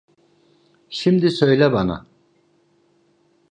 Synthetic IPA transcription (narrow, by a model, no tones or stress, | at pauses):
ʃimd̪isø̞jlʲɛbana̰